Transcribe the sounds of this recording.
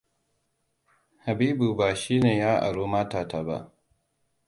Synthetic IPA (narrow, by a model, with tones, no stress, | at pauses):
ha˨biː˦bu˨baː˨ʃiː˦neː˨jaː˦ʔa̰˨ɽo˦maː˦taː˨tʰa˨ba̰˦ʔ